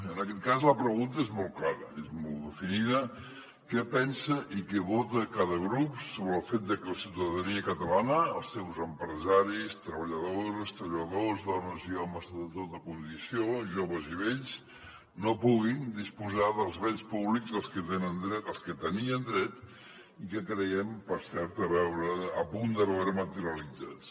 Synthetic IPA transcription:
ənəkɛt̪̚kazləpɾəɣunt̪əezmɔlˠklaɾə̰ezmmɔlˠd̪əfiniðə | kɛpɛnsəʔikɛβot̪əkaðəɣɾupssoβɾəːlˠfet̪̚d̪əkələsiwt̪əðəniəkət̪əlanəːlˠsewzəmpɾəzaɾist̪ɾəβəʎəðoozəst̪ɾəʎəðozðɔnəziɔməzðət̪ot̪əkund̪isioʒoβəziβeʎs | nopuɣind̪ispuzaðəlˠzβɛnspuβlikzðəlˠskət̪enənd̪ɾɛəlˠskət̪əniənd̪ɾɛt̪ | ikəkɾəɣɛmpəɾsɛɾt̪əβɛwɾəːpund̪əβɛwɾəmət̪əɾiəlid͡za̰t͡s

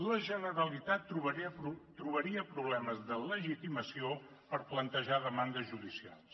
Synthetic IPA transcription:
ləʒənəɾəlit̪at̪ːɾuβət̪ɾuβəɾiəpɾuβlɛməzðələʒit̪iməsio | pəɾplənt̪əʒaðəmand̪əzʒuðisia̰lˠs

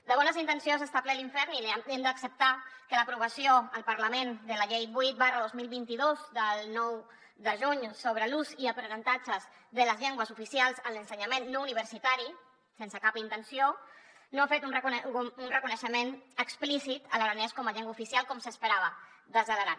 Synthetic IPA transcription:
d̪əβɔnəzint̪ənsionzəst̪aplɛliɱfɛɾnilɛmd̪əksəp̚t̪akələpɾuβəsioəlˠpəɾləmend̪ələʎejbuit̪̚barəðozmilˠβint̪iðozd̪əlˠnɔw | ðəʒuɲsoβ̞ɾəluziəpɾənənt̪ad͡ʒəz | ðələzʎɛŋɡwəzufisialˠzənlənsəɲamenːouniβ̞əɾsit̪aɾi | sensəkapint̪ənsionoafet̪unrəkunrəkunəʃəmenəksplisit̪ələɾanɛskɔməʎɛŋɡwaufisialˠkɔmsəspəɾaβ̞ə | ðəzələɾa

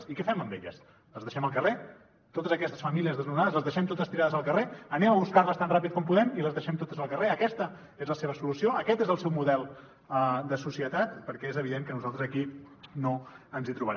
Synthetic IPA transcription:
ikɛfɛməmbeʎəs | ləzðəʃɛməlˠkəre | t̪ot̪əzəkɛst̪əsfəmiliəzðəznunaðəzləzðəʃɛmt̪ot̪əst̪iɾaðəzəlˠkəreənɛməβuskarləst̪anrapit̪̚kɔmpuðɛmiləzðəʃɛmt̪ot̪əzəlˠkəreəkɛst̪ə | ezləseβəsulusioəkɛt̪ezəlˠsɛwmuðɛlˠ | əd̪əsusiət̪at̪pəɾkɛezəβ̞iðeŋkənuzalˠt̪ɾəzəkinoənzit̪ɾuβəɾ

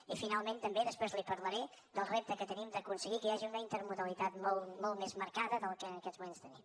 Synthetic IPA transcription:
ifinalˠment̪əmbeðəspɾezlipəɾləɾɛ | d̪əlˠrep̚t̪əkət̪ənimd̪əkunsəɣikəaʒiunəint̪əɾmuðəlit̪at̪molˠmɔlˠmezməɾkaðəðəlˠkənəkɛd̪zmumenst̪ənim

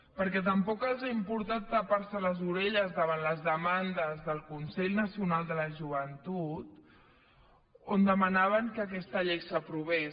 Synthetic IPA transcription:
pəɾkɛt̪̬əmpɔkalˠzaimpuɾt̪at̪ːəpaɾsələzuɾɛʎəzðəβanləzðəmand̪əzðəlˠkunsɛʎnəsiunalˠd̪ələʒuβ̞ənt̪ut̪ | ond̪əmanaβ̞əŋkəːkɛst̪əʎejsəpɾuβɛ

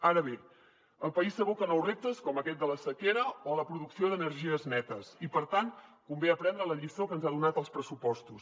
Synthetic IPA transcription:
aɾəβe | əlˠpəisəɣukənowrep̚t̪əskɔməkɛt̪̚d̪ələsəkeɾəoləpɾuðuksioðənəɾʒiəznɛt̪əsipəɾt̪ant̪kumbeəpɾɛnd̪ɾələʎistokənzaðunat̪əlˠspɾəsupɔst̪us

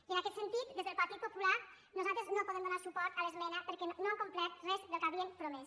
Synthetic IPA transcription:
iənəkɛt̪sənt̪it̪d̪ezðəlˠpəɾt̪it̪̚pupula | nuzalˠt̪ɾəznopuðɛmd̪unasupɔɾt̪ələzmɛnəpəɾkɛnoəkumplɛt̪̚rɛzðəlˠkaβiəmpɾumɛs

